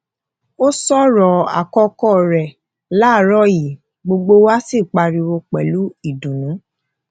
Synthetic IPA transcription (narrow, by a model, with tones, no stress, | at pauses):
o˦sɔ˦ɾɔ˨a̰˨kɔ˧kɔ˦˨ɾɛ˨ | la˨˦˨ɾɔ˦ji˨ | ɡ͡bo˧ɡ͡bo˦wa˦si˦˨k͡pa˧ɾi˧wo˧k͡pɛ˨lu˨˦i˦˨dũ˨nũ˨˦